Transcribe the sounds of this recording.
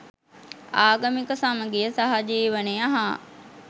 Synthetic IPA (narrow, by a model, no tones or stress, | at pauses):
aːɡəmikəsaməɡeəsaɦad͡ʒiːʋəneaɦa